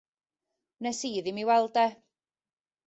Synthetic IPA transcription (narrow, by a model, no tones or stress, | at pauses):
nɛsiːðimiwɛlˠdɛ